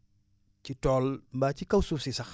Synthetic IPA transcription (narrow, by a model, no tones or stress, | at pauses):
citɔlmbat͡ʃikawsusisak